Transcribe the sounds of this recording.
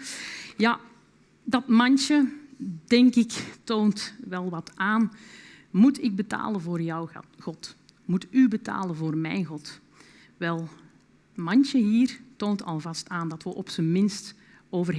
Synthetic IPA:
ja | dɑtmɑnsədɛŋkɪktoːntʋɛlˠʋɑtaːn | mutɪɡ̚bəta̰ːlənvʊːrjawɣɔt | mutybəta̰ːlənvʊːrmɛ̰jnɣɔt | ʋɛlˠ | mɑnsəɦiːrtoːntʰɑ̰lˠvɑstaːndɑtʋəʔɔpsəmɪnst | oːvər

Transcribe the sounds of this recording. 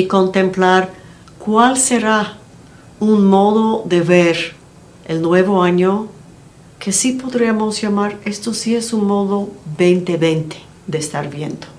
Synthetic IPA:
iko̞nt̪emplaɾ | kwalseɾa | unmoðoðe̞βeɾ | elnwe̞βoaɲo | kʰe̞sipo̞ðɾiamosjamaɾe̞st̪osiesunmoðobent̪eβejnt̪e̥ | ðeːst̪aɾβje̞nd̪o

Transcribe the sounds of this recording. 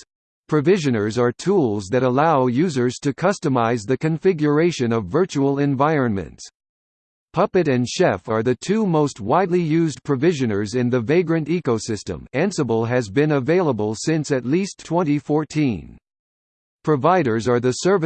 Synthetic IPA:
pʰɹ̥ɨvɪʒɨ̃nə˞zə˞tʰulˠzðɨɾəlaʊjʉzə˞z̥tʰɨkʰʌstɨmaɪzðɨkɨ̃ɱfɪɡjə˞eɪʃɨ̃nʌvːɜ˞t͡ʃuəl̩ˠɨ̃ɱvaɪɹɨ̃nmɨ̰̃nts | pʰʌpɨɾɨ̃nʃɛfə˞ðɨtʰʉmoʊst̚waɪdˡlijʉzpʰɹ̥ɨvɪʒɨ̃nə˞zɨ̃nðɨveɪɡɹɨ̃ntikoʊsɪstə̰̃mæ̃nsəbl̩ˠɨzbɨ̃nəveɪlˠəbəl̩ˠsɪ̃nsɨtˡlistʰw̥ɛ̃nɾ̃ifɔɹtʰĩn | pʰɹ̥ɨvaɪɾə˞zə˞ðɨsɜ˞v

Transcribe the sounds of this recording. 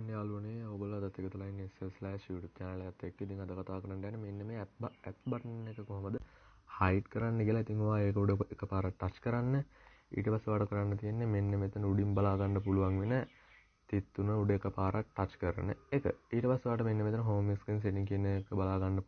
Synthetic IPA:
nːealuəneobəlad̪at̪ːeɡət̪ulainːiselslajʃiʋuʈut̪̚aːnəlɐjat̪ːekːiit̪iŋad̪əkat̪aːkəɾand̪ɛːnːemenːemet̪bɛt̪bɐʈənːekəkoɦɐməd̪ə | hajt̪kəɾanːəkiəlait̪iŋoʋaːeːk̬əuɖeekəpaːɾaʈːat͡ʃkəɾanːə | ḭːʈəpasːeʋaːʈəkəɾanːət̪ijenːemenːemet̪unəuɖimbalaːɡanːəp̬uluʋaŋʋinə | t̪it̪ːunəuɖeːkəpaːɾʔaʈʈːat͡ʃkəɾə̰nə̰ekə̰iːʈəpasːeʋaːʈəmenːemet̪uənəɦoːmiskɾins̬eʈiŋkienːekəbalaːɡanːə

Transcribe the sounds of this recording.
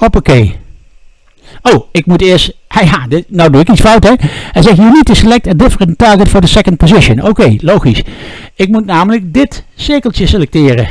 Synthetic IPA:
ɔpokej | owɪkmutɪːɹsthajadɪnowduɪkitsfʌwtɛɦɛjzɛxɦinitəsəlɛk̚təndɪfəɹəntɑɹɡətfʊːɹdəsɛkə̃nt̚pozɪʃənokejlowχisɪk̚mutnaːmələk̚dɪtsɪɹkəlˠtjəselɛk̚tɪːrə

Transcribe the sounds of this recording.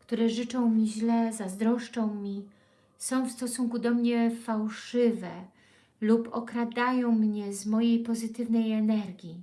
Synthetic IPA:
kt̪uɾɛʐɘt͡ʂɔ̃w̃mʲiʑlɛzazd̪ɾɔʂt͡ʂɔ̃w̃mʲi | sɔ̃w̃fst̪ɔsuŋkud̪ɔmɲɛfawʂɘvɛ | lupɔkɾad̪ajɔ̃w̃mɲɛzmɔjejpɔzɘt̪ɘvnɛjɛnɛɾɡʲi

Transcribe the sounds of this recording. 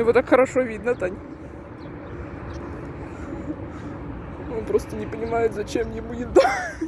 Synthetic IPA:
ɪvot̪akxəɾɐʂovʲid̪nət̪anʲ | onpɾo̞st̪ənʲɪpənʲɪmajɪt̪zɐt͡ɕemjɪmujʲɪd̪a

